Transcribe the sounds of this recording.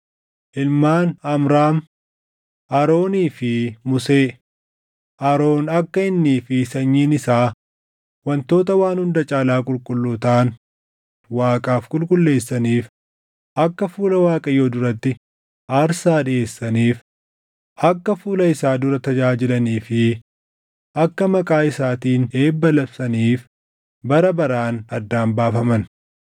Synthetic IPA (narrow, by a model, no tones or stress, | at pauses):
ʔɪlmaːnɐmɾaːm | ʔɐɾo̞ːniːfɪmʊseː | ʔɐɾo̞ːnɐkːɐɪnːiːfɪsɐɲːiːnɪsaː | wɐnt̪o̞ːt̪ɐwaːnhʊnd̪ɐt͡ʃʼaːlaːkʼʊlkʼʊlːʊt̪aːn | waːkʼaːfkʼʊlkʼʊlːe̞ːsːɐniːf | ʔɐkːɐfuːlɐwaːkʼɐjo̞ːd̪ʊɾɐt̪ːɪ | ʔaːɾsaːᶑɪe̞ːsːɐniːf | ʔɐkːɐfuːlɐɪsaːd̪ʊɾɐt̪ɐd͡ʒaːd͡ʒɪlɐniːfɪ | ʔɐkːɐmɐkʼaːɪsaːt̪iːneːbːɐlɐbsɐniːf | bɐɾɐbɐɾaːnɐd̪ːaːmbaːfɐmɐn